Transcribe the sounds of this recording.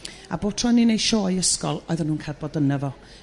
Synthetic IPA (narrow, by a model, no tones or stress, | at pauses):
a̰bo̥ːtʰrɔninejʃoːjəskɔlˠɔjðanhuːnkʰadbɔdənəvɔ